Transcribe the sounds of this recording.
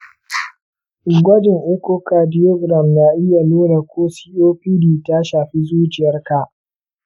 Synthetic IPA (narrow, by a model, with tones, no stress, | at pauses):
ɡʷɐ˦dɪ˨ŋʔe˦kʷo˦kaː˨dɪ˦jɔ˦ɡɾa˨mna˦ʔɪ˦ja˨noː˦ɽa˨kʷʰoː˦siː˦ʔoː˦ɸiː˦diː˨ta˦ʃaː˨ɸi˦zuː˦t͡ʃɪ˨jɐ˦rka˨ʔ